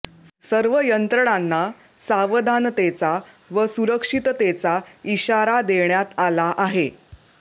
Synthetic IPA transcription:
səɾʋəjənt̪ɾəɽ̃anːa | saʋəd̪ʱant̪et͡sa | ʋəsuɾəkʂit̪t̪et͡saiɕaɾad̪eɳjat̪alaʔaɦe

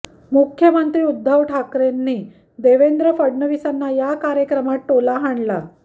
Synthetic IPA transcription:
mukʰjəmənt̪ɾiːud̪ʱːəʋʈʰakɾenːiː | d̪eʋend̪ɾəfəɽnəʋisanːajakaɾjəkɾəmaʈʈolaɦaɳla

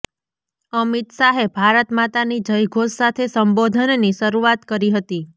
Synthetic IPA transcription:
əmit̪saɦebʱaɾət̪mat̪anid͡ʒəjɡʱossat̪ʰesəmbod̪ʱənniʃəɾuat̪kəɾiɦət̪i

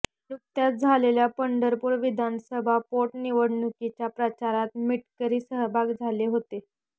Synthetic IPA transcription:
nuk̚t̪jat̪̚d͡zʱaleljapəɳɖəɾpuːɾʋid̪ʱansəbʱapoʈniʋəɽnukit͡ɕjapɾət͡ɕaɾat̪miʈkəɾiːsəɦəbʱaɡd͡zʱaleɦot̪e

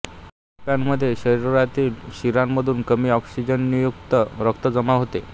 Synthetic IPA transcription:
pjanməd̪ʱːjeɕəɾiɾɾat̪iːlɕiɾamməd̪ʱuːnkəmiːɔksid͡ʑənːijukt̪əɾəkt̪əd͡zəmaɦot̪e

